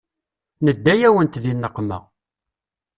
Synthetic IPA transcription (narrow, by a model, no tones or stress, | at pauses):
nəd̪ːæjæwənt̪ðinːəqːmæ̰